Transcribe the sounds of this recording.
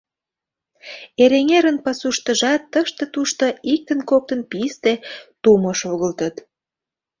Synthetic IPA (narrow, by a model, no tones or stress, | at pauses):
eɾeŋeɾənpɑsuʃt̪ə̆ʒɑt̪ːəʃt̪ə̆t̪uʃt̪oik̚t̪ənkok̚t̪ənpist̪et̪umoʃoɣəlt̪ət̪